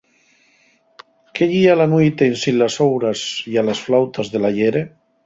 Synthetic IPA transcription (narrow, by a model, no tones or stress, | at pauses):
keʎialanwejt̪einsinlasowɾasjalasflawt̪azðelaʎeɾe